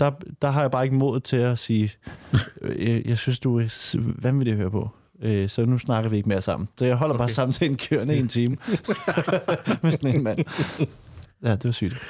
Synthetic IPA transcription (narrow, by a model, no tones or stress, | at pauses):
d̥ɑ̈d̥ɑ̈ɦɑ̈jɑ̈b̥ɑ̈ːe̝ɡ̥əmo̝ð̩ˠt͡sʰe̝læsiː | jɑ̈ɪsynsd̥uæʋænʋeld̥ehøːɐpʰɒ̽ | øsɒ̽nusnɑ̈ɡ̥ɐʋie̝ɡ̥meɐsɑ̈m̰n̩sɒ̽jɑ̈ɪɦɒ̽l̰ɐb̥ɑ̈ːsɑ̈m̰n̩t͡sʰɛ̰ːn̩kʰøɐnəient͡sʰiːmə | mesd̥enenmæn̰ | jæd̥e̝ʋɑ̈sy̰ːd̥